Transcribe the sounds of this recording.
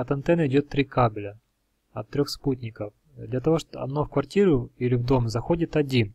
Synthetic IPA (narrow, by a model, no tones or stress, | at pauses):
ɐt̪ɐnt̪ɛnəɪdʲo̞t̪ːɾʲikabʲlʲə | ɐt̪ːɾʲo̞xsputʲnʲɪkəf | d̪lʲɐt̪ɐvo̞ʂɐ̰d̪nofkvɐrtʲiɾʊilʲɪvd̪o̞mzɐxodʲɪt̪ɐdʲin